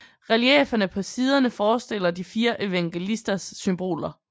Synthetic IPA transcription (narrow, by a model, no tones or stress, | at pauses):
ʁɛljḛːfɐnəpʰɒ̽siːð̞ˠɐnəfɒːsd̥e̝l̰ɐd̥ifiːɐʔe̝ʋæŋɡ̥e̝lisd̥ɐsːymb̥o̝̰ːlɐ